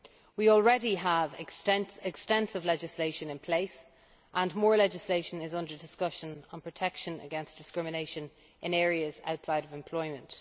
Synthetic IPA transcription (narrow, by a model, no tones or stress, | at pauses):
wiɔlˠɹɛɾiəvɪtɛ̃nɪkstɛ̃nsɪvlɛd͡ʒɪsleɪʃə̃nɪ̃npʰl̥eɪs | ʔə̃nmɔːɹlɛd͡ʒɪsleɪʃə̃nɪzʌ̃ndə˞dɪskʌʃə̃nə̃npʰɹ̥ətʰɛkʃə̃nə̰ɡɛ̃nsd̥ɪskɹɪmɪneɪʃə̃n | ʔɪ̃nɛːɹiəza̰ʊtsaɪɾəvɛ̃mpʰl̥ɔɪmə̃nt